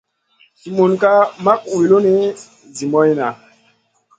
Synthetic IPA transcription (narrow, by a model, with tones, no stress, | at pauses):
si˨mu˨nka˦ma˦k̚wi˨lo˦ne˦ | zi˨mɔ˦jna˨